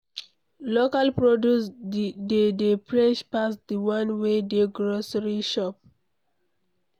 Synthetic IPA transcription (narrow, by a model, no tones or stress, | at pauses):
lokalpɹodusdedepɹeʃpasd̪iwãnwedeɡɹosɹiʃɔp̚